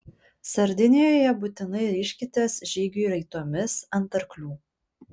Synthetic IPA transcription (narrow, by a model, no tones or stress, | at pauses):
sɐɾʲd̪ʲɪnʲejoːjɛbut̪ʲɪnɐɪɾʲiːʃʲkʲɪt̪ʲeːsʒʲiːɡʲuˑɾɐɪt̪oːmʲɪsɐnˑt̪ɐɾklʲuː